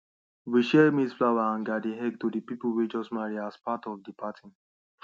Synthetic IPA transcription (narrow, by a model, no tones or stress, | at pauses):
wiʃɛlmisflawaãnɡadiɦɛɡ̚tudipipl̩wid͡ʒɔstmaɹiaspatɔvdipʰatʰĩn